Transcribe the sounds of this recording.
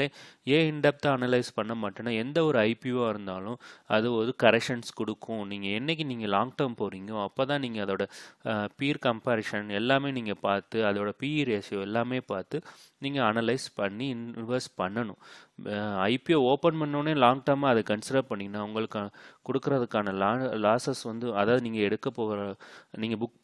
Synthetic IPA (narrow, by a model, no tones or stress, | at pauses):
eẽːɪɳɖɛp̚t̪ãːɐnɐlɐɪspɐɳːɐmaːʈːɐnːaːɛnd̪ɐɔɾɯɐɪpiõːɪɾɯnd̪aːlʊ̃ɐ̰ðɯʋɐðɯkɐɾɛkʂɐnskɔɽɯkʰːʊ̃niːŋɡɐɛnːɛk̬ʲːiniːŋɡɐlaːŋɡʈɐɾmpoːɾiːŋɡɐõɐpːoːt̪ãːniːŋɡɐːðoːɽɐpiːɾkɐmpaɾʂɐnɛlːaːmeːniːŋɡɐpaːɾt̪ɯɐðoːɽɐpiːɾɐsjõɛlːaːmeːpaːɾt̪ɯ | niːŋɡɐɐnɐlɐɪspɐɳːiɪnʋɪʋɐɾspɐɳːɐnʊ̃ | ɐɪpiooːpɐnpɐnːõːneːlaːŋɡʈɐɾmaːɐðɐkɐnsɪɽɐɾpɐɳːɪŋɡɐnːaːɐʋʊŋɡɐɭɯkːkɔɽɯkːɯɾɐðɯkːaːnɐlaːlaːsɐsʋɐnd̪ɯɐðaːɐðɯniːŋɡɐɛɽɯkːɐpːoːɣɾaniːŋɡɐbʊk̚